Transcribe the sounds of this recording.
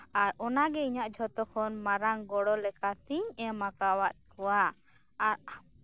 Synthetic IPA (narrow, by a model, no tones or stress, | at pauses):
aɾɔnaɡɛiɲaʔd͡ʒʱɔt̪ɔkʰɔnmaɾaŋɡɔɽɔlɛkat̪iɲɛmakawaʔ̪̚kuwa | aɾ